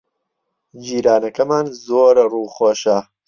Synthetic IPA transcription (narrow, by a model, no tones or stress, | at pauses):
d͡ʒiːɾaːnɐkɐmaːnzoːɾruːxoːʃɐ